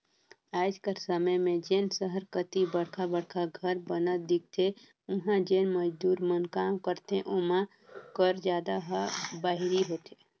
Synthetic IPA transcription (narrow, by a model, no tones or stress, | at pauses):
aːd͡ʒkəɾsəməjmẽd͡ʒeːnsəɦəɾkət̪ibəɽkʰabəɽkʰaɡʱəɾbənəd̪ɪk̚t̪ʰe | ʊɦãd͡ʒeːnməd͡ʒd̪uːɾmənkaːmkəɾt̪ẽʔʊmã | kəɾd͡ʒjaːd̪aɦəbaːɦɪɾiɦoːt̪ʰeː